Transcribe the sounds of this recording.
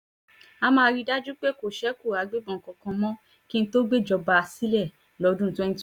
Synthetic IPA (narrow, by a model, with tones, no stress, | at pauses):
a˧mãː˧ɾi˦da˦d͡ʒu˦k͡pe˦ko˨ʃɛ˨˦ko˦˨a˨ɡ͡be˦bɔ̃˨kɔ̃˧˨kɔ̃˧mɔ̃˦ | ki˦ñ̩˦to˦ɡ͡be˦˨d͡ʒɔ˧ba˧si˦lɛ˦˨ | lɔ˨˧˦dũ˦n̩˨tɔ̃˦ɛ˧nĩ˦t